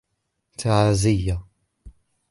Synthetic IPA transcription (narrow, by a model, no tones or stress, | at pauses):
t̪aʕazɪjːa